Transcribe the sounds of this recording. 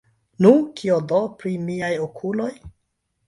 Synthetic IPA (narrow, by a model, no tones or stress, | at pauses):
nukʰiodopɾimiajokʰulo̞j